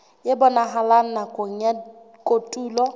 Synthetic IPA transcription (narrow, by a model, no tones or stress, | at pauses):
jɪbɔnaɦalan̩nakʼoɲ̩a | kʼotʼuːlɔ